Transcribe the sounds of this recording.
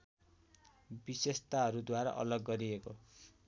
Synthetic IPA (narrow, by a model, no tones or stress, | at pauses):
bisest̪aɦʌɾud̪waɾa̰ʔʌ̰lʌɡːʌɾieko